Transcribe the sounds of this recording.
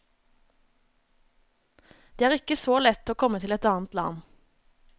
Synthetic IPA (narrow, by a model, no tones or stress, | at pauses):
d̪̥eːæːʁɪkəsoːlɛt̪ːoːkʰɔmət̪ʰɪlɛt̪ɑːn̩t̪lɑ̰n